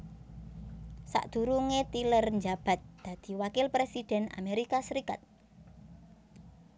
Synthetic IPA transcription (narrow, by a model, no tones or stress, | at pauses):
sa̰ʔd̪̥ṳɾuŋet̪ilərnd͡ʒab̥a̤t̪̚d̪̥ä̤d̪̥i̤wakɪlpɾesid̪̥ɛ̤na̰meɾikasəɾikat̪̚